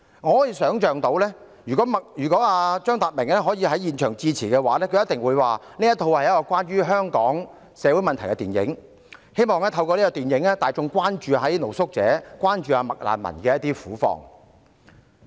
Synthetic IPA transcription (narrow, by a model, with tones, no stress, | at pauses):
ŋɔ˨˧ɔː˨˥jiː˨˧sœː˨˥ŋt͡ʃœː˨ŋt̪o˨˧˥wlɛː˥ | jyː˨˩kɔː˨˥mɐ˨k̚jyː˨˩kɔː˨˥aː˧t͡ʃœː˥ŋt̪aː˨˩t̚mɪ˨˩ŋlɛː˥ɦɔː˨˥jiː˨˧ɦɐ˨˥jiː˨nt͡ʃʰœː˨˩ŋt͡siː˧t͡sʰiː˨˩kɛː˧wa̰ː˨˥lɛː˥kʰɵ˧jɐ˥t̪ɪ˨ŋwuː˨˧jwaː˨˩niː˥jɐ˥t̪ʰo˧whɐ˨jɐ˥kɔː˧kwaː˥nɥyː˥ɦœː˥ŋkɔː˨˥ŋ | sɛː˨˧wu˨˥jmɐ˨nt̪ʰjkɛ˧t̪iː˨njɪ̰˨˥ŋ | he˥jmɔː˨ŋlɛː˥t̪ʰɐ˧wkɔː˧li˥kɔː˧t̪iː˨njɪ˨˥ŋɛː˥t̪aː˨jt͡sʊ˨˧ŋkʷaː˥nt͡ʃyː˨˧ɦɐ˨˦jno˨˩wsʊ˥k̚t͡sɛ̰ː˨˥kwaː˥nt͡ʃyː˨aː˧mɐ˨k̚la̰ː˨˩nmɐ̰˨˩nkɛː˧jɐ˥t̪iː˥fuː˨˥fɔ̰ː˨˩ŋ